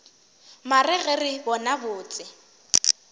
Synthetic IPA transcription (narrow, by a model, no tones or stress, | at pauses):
marɪɣɛrɪbɔnabʊːt͡sʼɪ